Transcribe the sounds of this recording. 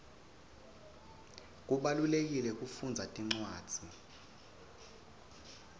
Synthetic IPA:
k̬ʼuɓalulek̬ilɛk̬ʼufund͡zʱatʼiŋ͡ǀwaːd̥d͡z̥ʱi

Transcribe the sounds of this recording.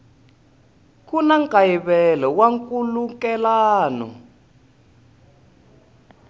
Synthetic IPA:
kunaŋkʼajiβɛlɔwaŋkʼulukɛlaːnɔ̰

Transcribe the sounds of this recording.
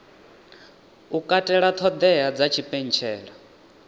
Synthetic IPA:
ukʼatʼɛɺat̪ʰɔd̪ɛad͡zat͡ʃʰipʼen̩t͡ʃʰɛːɺa

